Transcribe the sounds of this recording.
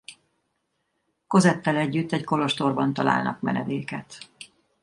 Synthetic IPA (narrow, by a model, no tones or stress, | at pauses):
kozɛt̪ːɛlɛɟːyt̪ːɛɟko̞lo̞ʃt̪o̞rbɒnt̪ɒla̰ːlnɒ̰kmɛ̰nɛd̪eːkɛt̪